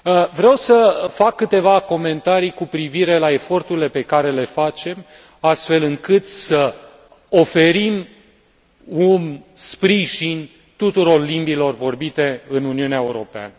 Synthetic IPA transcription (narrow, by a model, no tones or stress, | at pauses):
əvɾeawsəfakːɨt̪e̞vako̞me̞nt̪aɾijkupɾiviɾe̞lae̞fo̞rt̪uɾile̞pe̞kaɾe̞le̞fat͡ʃe̞m | ast̪fe̞lɨŋkɨt̪sə | o̞fe̞ɾim | unspɾiʒin | t̪ut̪uɾo̞rlimbilo̞rvo̞rbit̪e̞ɨnuniuneaeuɾo̞pea̰nə